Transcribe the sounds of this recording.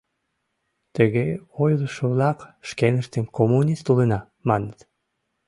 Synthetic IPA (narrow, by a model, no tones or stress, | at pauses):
t̪əɣeojləʃoβlɑkʃkenəʃt̪ənkomunʲist̪ulənɑ | mɑnət̪